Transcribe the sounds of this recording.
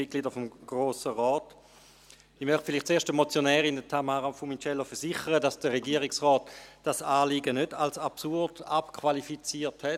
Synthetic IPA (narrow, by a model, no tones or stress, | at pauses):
itkɡliːdəɐfomɡ̥ʁoːsəʁɔːt | ɪmœʁχtfiliχtt͡seːʃtdəmot͡sjonɛːʁindətʰamaːʁafumit͡ʃɛlofɛɐsiχəʁədasd̥əʁeɡiːʁɪksʁɔːtd̥asaːliɡənødalsapsuɐd̥apkʰvʋalifit͡siːɐthɛt